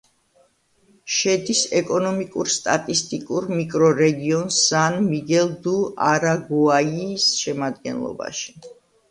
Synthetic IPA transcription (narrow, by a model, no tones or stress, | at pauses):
ʃɛd̪isɛkʼɔnɔmikʼuɾst̪ʼat̪ʼist̪ʼikʼuɾmikʼɾɔɾɛɡiɔnsːanmiɡɛlˠd̪uaɾaɡuaiːsʃɛmad̪̚ɡɛ̰nlˠɔ̰ba̰ʃi̥